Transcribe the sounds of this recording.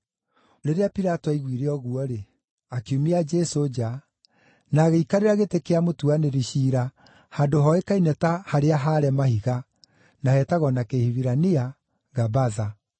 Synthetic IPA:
ɾeɾeapiɾatɔaiɣiɾeɔɣuɔɾe | akeumiad͡ʒɛsod͡ʒa | naːɣeikaɾeɾaɣetekeamotuaneɾiʃiːɾa | handoɦɔekainɛtahaɾeaɦaɾɛmahiɣa | nahɛtaɣɔnakehiβiɾania | ɡabaða

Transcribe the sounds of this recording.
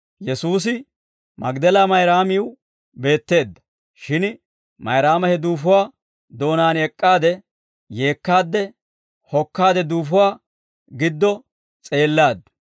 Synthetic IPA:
jɛsuːs̬ɪ | mɐɡd̪ɛlamɐjɾaːmɪw | be̞ːt̪ːe̞ːd̪ːɐ̥ | ʃɪn | mɐjɾaːmɐhɛd̪uːfʊwaː | d̪o̞ːnaːnɛkʼːaːd̪ɛ | je̞ːkːaːd̪ːɛ | hɔkːaːd̪ɛd̪uːfʊwaː | ɡɪd̪ːɔ | t͡sʼe̞ːlːaːd̪ːɐ

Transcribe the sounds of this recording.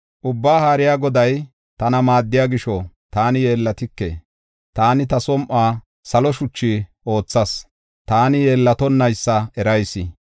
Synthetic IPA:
ʔʊbːaːhaːɾɪjaːɡɔd̪ɐj | t̪ɐnɐmaːd̪ːɪjaːɡɪʃɔ | t̪aːnɪjeːlːɐt̪ɪkːḛ | t̪aːnɪt̪ɐsɔmʔaː | sɐlɔʃʊt͡ʃːiʔo̞ːt͡sːɐs | t̪aːnɪje̞ːlːɐt̪ɔnːɐjsːɐɛɾɐjsɪ

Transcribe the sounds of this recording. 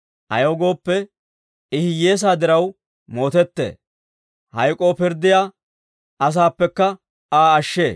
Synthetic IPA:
ʔɐ̰joɡo̞ːpːɛ | ɪhɪje̞ːs̬aːd̪ɪɾɐw | mo̞ːt̪ɛt̪ːḛː | hɐjkʼo̞ːpɪɾd̪ːɪjaː | ʔɐs̬aːpːɛkːɐ | aːɐʃːe̞ː

